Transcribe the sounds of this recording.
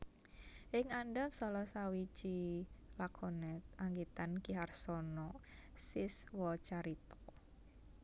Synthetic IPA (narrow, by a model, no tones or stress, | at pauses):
ʔɪŋandapsɔlɔsawit͡ʃilakʰɔnɛt̪̚aŋɡit̪ankiɦarsɔnɔsɪswɔt͡ʃaɾit̪ɔ̥